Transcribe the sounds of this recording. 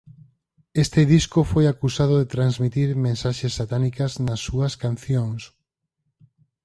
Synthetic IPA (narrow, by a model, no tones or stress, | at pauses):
est̪ɪðiskofojakusaðoðet̪ɾanzmit̪iɾmẽnsaʃesːat̪anikɐznɐsːuɐskan̟θjoŋs